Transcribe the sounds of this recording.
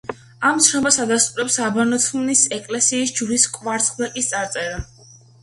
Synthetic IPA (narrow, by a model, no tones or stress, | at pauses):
amt̪sʰnɔbasad̪ast̪ʼuɾɛpsabanɔt̪ʰunisɛkʼlɛsiːsd͡ʒuɾiskʼvaɾt̪sʼχʼvɛkʼist̪sʼaɾt̪sʼɛɾa